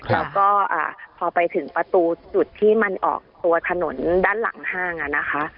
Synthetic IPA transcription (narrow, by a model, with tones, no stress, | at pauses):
lɛː˦˥wkɔː˥˩ʔa̰ː˨˩pʰɔː˧pa˧jt̪ʰɯ˩˦ŋpɾa˧t̪uː˧t͡ɕu˨˩t̪ʰːiː˥˩ma˧nʔɔ̰ː˨˩k̚t̪u˧ɐt̪ʰa˧no˩˦ndaː˥˩nla̰˩˦ŋhaː˥˩ŋʔa˨˩na˦˥xʰa˦˥ʔ